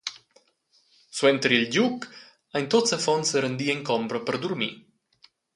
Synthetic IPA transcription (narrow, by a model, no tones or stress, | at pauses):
swɛnt̪əɾilɟuk | ajnt̪ot͡səfɔnsəɾənd̪iɛŋkɔmbɾəpəɾd̪uɾmḭ